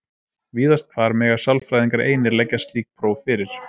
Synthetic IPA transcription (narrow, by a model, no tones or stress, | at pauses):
viːðast̪̚kʰvaːɾmɪɣḁsawlfɾajðiŋkaɾḛːjnɪɾlɛcːast̪iːk̚pʰɾoːwfɪɾɪɾ̥